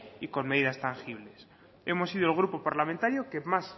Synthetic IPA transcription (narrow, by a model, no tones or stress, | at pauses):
ikonmeðiðast̪aŋxiβles | emosiðoelɣ̞ɾupopaɾlamẽnt̪aɾjokemas